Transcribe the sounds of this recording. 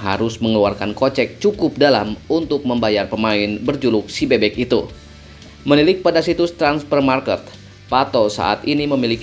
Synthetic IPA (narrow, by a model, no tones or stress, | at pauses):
ɦa̰ɾʊsməŋəluarkankot͡ʃɛk̚t͡ʃukʊp̚dalamunt̪ʊk̚məmbajarpəmaɪnbərd͡ʒulʊk̚sibebɛkit̪ṵ | mənilɪk̚padasit̪ust̪ɾanspərmarkət̪̚ | pat̪osa̰ʔa̰t̪iniməmilik